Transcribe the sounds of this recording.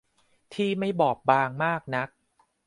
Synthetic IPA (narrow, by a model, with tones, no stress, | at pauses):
t̪ʰiː˥˩ma˥˩jbɔː˨˩p̚baː˧ŋmaː˥˩k̚na˦˥k̚